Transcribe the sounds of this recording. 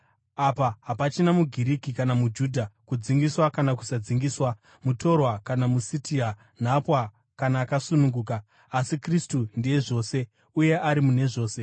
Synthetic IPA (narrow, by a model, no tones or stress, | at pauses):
apaɦapat͡ʃinamuɡʱiɾikikanamud͡ʒuːdʱakud͡ziŋɡiswakanak̬u̥sad͡ziŋɡiːswa | muto̞rwakanamusitʰia | n̤apwa | kanaːkasunuŋɡuːkaː | sikristundieʐo̞ːse̞ | uje̞ʔaɾimune̞ʐo̞ːse̞